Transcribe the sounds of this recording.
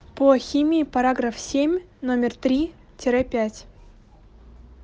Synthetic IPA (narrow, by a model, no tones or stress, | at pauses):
poxʲimʲiipɐɾaɡrafsʲemʲnomʲɪrt̪ɾʲi | tʲɪɾapʲætʲ